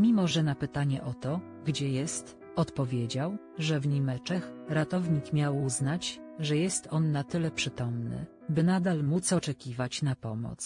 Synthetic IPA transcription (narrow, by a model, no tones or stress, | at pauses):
mʲimɔʐɛnapɘt̪aɲɛ̰ʔɔt̪ɔ | ɡd͡ʑɛjɛst̪ | ɔt̪pɔvʲjed͡ʑaw | ʐɛvɲimɛt͡ʂɛxɾat̪ɔvɲikmʲjawuznat͡ɕ | ʐɛjɛst̪ɔnːat̪ɘlɛpʂɘt̪ɔmnɘ̰ | bɘnad̪almut̪sɔt͡ʂɛkʲivat͡ɕnapɔmɔ̰t̪s